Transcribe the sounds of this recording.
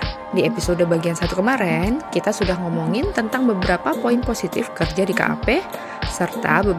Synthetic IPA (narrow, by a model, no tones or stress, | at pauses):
diepisodəbaɡiansat̪ukəmaɾɛnkit̪asudahŋɔmoŋɪnt̪ənt̪aŋbəbəɾapapoinposit̪ɪ̰fkərd͡ʒadika̰ʔa̰pɛ | sərt̪a̰bə